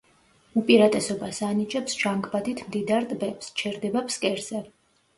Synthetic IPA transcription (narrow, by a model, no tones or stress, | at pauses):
upʼiɾat̪ʼɛsɔbasanit͡ʃʼɛpsʒaŋɡbad̪ʰit̪ʰmd̪id̪aɾt̪ʼbɛpst͡ʃʰɛɾd̪ɛbapskʼɛɾz̥ɛ